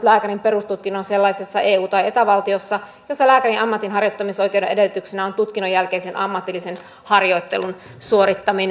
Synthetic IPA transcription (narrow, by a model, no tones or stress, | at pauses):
t̪læːkæɾrimperust̪ut̪̚kinonselːɑisesːɑʔeːuːt̪ɑjet̪æʋɑlt̪iosːɑ | josːɑlæːkærinʔɑmːɑt̪ːinɦɑrjot̪ːɑmisoikewdeʔedelːyt̪yksenæont̪ut̪kinojːælkeisenɑmːɑt̪ːˑilːisen | hɑrjoit̪ːelun | suoɾit̪ːɑmin